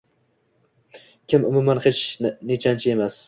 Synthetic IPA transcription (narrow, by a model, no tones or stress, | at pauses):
kʲʰɪmʊmʊmanhet͡ʃʰnet͡ʃʰant͡ʃʰɪe̞mas